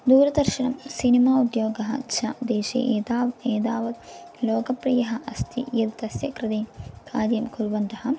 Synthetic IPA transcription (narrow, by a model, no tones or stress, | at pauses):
d̪uːɾɐd̪ɐɾʃiɳɐmsinimaːud̪joːɡɐɦɐ̰t͡ʃʰɐ̰d̪eːʃḛːʔeːd̪aːʋeːd̪aːʋɐd̪ | loːkɐpɾiːjɐɦɐʔɐst̪ʰḭjɐd̪t̪ɐsjɐkɾɪd̪ekʰaːd̪jɐmkuɾʋɐnt̪ɐɦɐ